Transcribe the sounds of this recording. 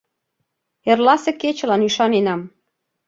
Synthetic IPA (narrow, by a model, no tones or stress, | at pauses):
erlɑsĕket͡ɕə̆lɑnyʃɑnenɑm